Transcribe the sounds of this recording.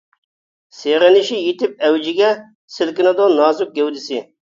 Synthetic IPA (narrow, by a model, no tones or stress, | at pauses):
seʁɪnɪʃijet̪ɪp̚ɛwd͡ʒɪɡʲɛ | sɪlkʲɪnɨd̪onɑːzʊk̚ɡʲɛwd̪ɪsɪ